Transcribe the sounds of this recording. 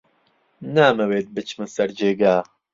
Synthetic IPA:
naːmɐweːt̪̚bɨt͡ʃʰmɨsɐɾd͡ʒeːɡaː

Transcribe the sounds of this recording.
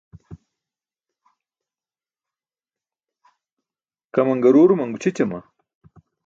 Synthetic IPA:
kɐmɐŋɡɐɾuːɾumɐŋɡut͡ɕʰit͡ɕɐma̰

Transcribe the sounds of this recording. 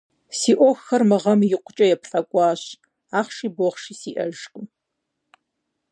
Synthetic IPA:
siːʔʷɔxɐrmɨʁɐmjɪqʷʊt͡ʃʼɐjɛpɬʼɐkʷʼɑːɕ | aːχʃiːboχʃiːsiːʔɐʒqʼə

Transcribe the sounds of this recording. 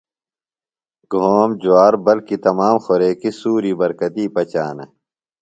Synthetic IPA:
ɡʱoːmd͡ʑuwaːɾbɐlkit̪ɐmaːmxoɾeːkisuːɾibɐɾkɐt̪iːpɐt͡ɕaːnɐ

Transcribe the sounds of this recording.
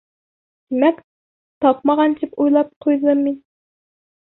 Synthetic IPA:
d̪̥emɛkʲ | t̪ʰɑpmɑʁɑnt͡ʃ̪ʰɪpujlˠɑp̚qʰojd̪ɨmːin

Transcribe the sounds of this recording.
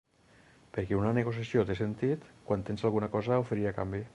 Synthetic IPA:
peɾkɛunaneɣos̬jasiot̪esent̪it̪kwant̪enzalˠɣunakɔzaofeɾiakambi

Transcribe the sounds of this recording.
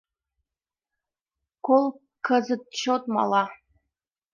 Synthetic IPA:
kolˠ | kɤ̆zɤ̆t̪̚ɕot̪mɑ̰lˠɑ

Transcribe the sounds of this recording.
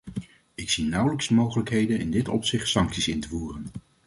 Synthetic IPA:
ɪksinʌwləksəmowχələkɦejdənɪ̰ndɪtɔ̰psɪχtsɑŋksisɪntəvuːrən

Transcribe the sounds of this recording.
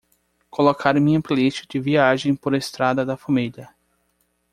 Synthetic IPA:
kolokʰaɾmĩɲɐ̃pliʃʊd͡ʒɪviaʒẽj̃poɾest̪ɾad̪ɐd̪ɐfɐmiʎɐ

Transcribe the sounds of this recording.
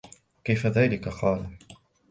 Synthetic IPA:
kajfaðaːlɪkaqɑːlu

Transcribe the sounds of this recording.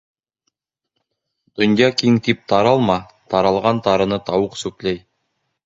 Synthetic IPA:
d̪̥ŏnjɑkiŋt̪ip̚t̪ɑɾɑlˠmɑ | t̪ɑɾɑlˠʁɑnt̪ɑɾɤ̆nɤt̪ɑwɤqsʉklæj

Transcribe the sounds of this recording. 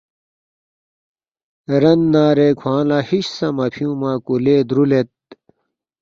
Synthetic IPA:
ɾɐnːaːɾekʰwãːlaːhiɕsɐmɐpʰijũːmaːkuleːd̪ɾulet̪̚

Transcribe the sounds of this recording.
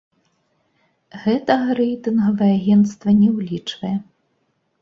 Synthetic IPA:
ɣɛt̪ɐɣɐɾɛjt̪ɨnɣɐvɐjɛaɣʲɛnt̪st̪vɐnʲɛwlʲit͡ʂvɐjɛ

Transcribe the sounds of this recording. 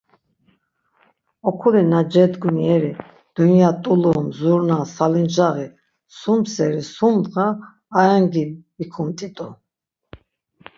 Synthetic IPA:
ɔkʰulɛnad͡ʒɛd̪ɡuniɛɾi | d̪̥unjat̪ʼulɔmzuɾnasalind͡ʒaʁi | sumsɛɾisumʁaː | ɾaŋɡiikʰumt̪ʼit̪ʼu

